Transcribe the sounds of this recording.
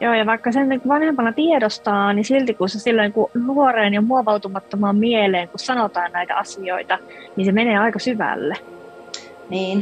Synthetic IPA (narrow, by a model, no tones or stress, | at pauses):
joːjɑʋɑikːɑsenniŋkuʋɑnhempɑnɑt̪iedost̪ɑːnnisilt̪ikunsesilːoiŋkunuoreːnjɑmuoʋɑwt̪umɑt̪ːomɑːmmieleːŋkussɑnot̪ɑːnnæit̪æ̰ɑsioit̪ɑ | ninsemeneːɑikɑsyʋæ̰lːe | niːn